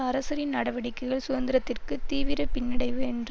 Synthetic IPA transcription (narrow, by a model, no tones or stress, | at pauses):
ɐɾɐsɐɾɪnnɐɽɐʋɐɽɪkːɐɪɣɐɭsʊðɐnd̪ɪɾɐt̪ːɪrkɯt̪iːʋɪɾɐpɪnːɪɽɐɪʋɯɛndr